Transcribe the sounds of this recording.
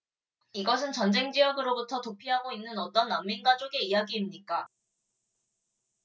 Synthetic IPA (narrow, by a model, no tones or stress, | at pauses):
iɡʌs̬ʰɯnt͡ɕʌnd͡ʑe̞ŋd͡ʑijʌɡɯɾobutʰʌtopʰiɦaɡoinːɯnʌt͈ʌnːamːinɡad͡ʑoɡe̞ijaɡiːmɲik͈a